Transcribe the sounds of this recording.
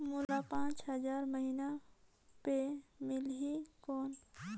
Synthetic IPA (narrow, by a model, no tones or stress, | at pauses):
mulapãːt͡ʃɦəzaːɾməɦiːna | pemɪlɦikɔːn